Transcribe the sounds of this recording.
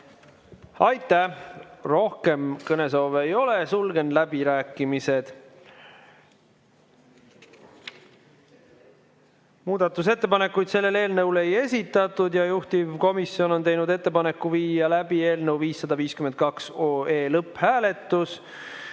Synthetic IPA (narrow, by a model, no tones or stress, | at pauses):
ɑjt̪ːˑæro̞hke̞mkɤne̞s̬o̞ːvejo̞le̞sulɡe̞nlæb̥iɾæːkːˑimise̞d̪̥ | muːd̪̥ɑt̪ːˑus̬e̞t̪ːe̞pɑne̞kːˑujd̪̥se̞lːe̞le̞ːlnəwle̞je̞sʲit̪ːˑɑt̪ːˑud̪jɑjuht̪ivko̞misːio̞no̞nt̪e̞jnud̪e̞t̪ːe̞pɑne̞kːuviːɑlæb̥ie̞ːlnewviːsːɑd̪ɑviːskymekɑksoːe̞ːlɤpːˑhæːle̞t̪ːˑus